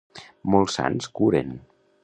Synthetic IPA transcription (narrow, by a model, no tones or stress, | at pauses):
mɔlˠsa̰nskuɾen